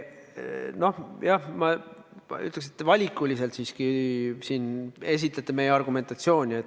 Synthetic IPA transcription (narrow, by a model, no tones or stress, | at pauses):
no̞hjɑhmɑ | y̰t̪lekset̪ːvɑlʲikːˑulʲise̞lt̪siskisiːne̞s̬ʲit̪ˑlet̪ːˑeme̞jeɑrɡ̥ume̞nt̪ɑt̪sio̞ːnʲiet̪ː